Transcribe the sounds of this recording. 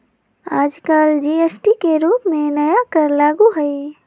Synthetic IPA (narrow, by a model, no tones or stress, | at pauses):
ad͡ʒkald͡ʒiesʈikeɾupmenəjakəɾlaɡuɦəj